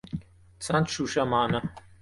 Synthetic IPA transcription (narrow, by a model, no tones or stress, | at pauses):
t͡sʰɐnt̪ʃuʃɐmaːnɐ